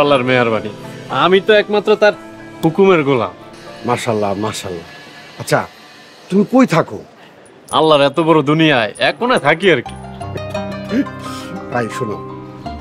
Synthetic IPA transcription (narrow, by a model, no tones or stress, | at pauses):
alːaɾmɛaɾbaniamit̪oɛkmat̪ːɾot̪aɾpukumeɾɡola̰maʃalːamaʃalːa̰ | atːɕʰa̰ | t̪umikojt̪ʰako̰ | a̰lːaɾɛt̪obɔɾod̪unijaeɛkːonat̪ʰak̬iaɾki̥ | t̪ajʃuno̰